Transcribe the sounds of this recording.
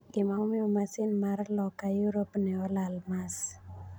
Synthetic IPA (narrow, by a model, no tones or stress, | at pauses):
ɡɪmamɪomasɪnmarlɔkajuɾopnɛɔlalmas